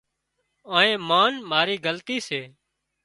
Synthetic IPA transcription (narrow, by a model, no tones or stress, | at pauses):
aːẽːmaːnmaːɾiːɡəlt̪iːseː